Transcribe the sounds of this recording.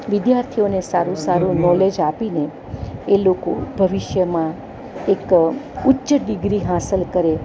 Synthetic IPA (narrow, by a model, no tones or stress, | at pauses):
ʋɪd̪jaɾt̪ʰionesaɾũsaɾũnɔled͡ʒapine | elokobʱəʋiʃjəmã | ekʊtːʃəɖɪɡɾiɦasəlkəɾe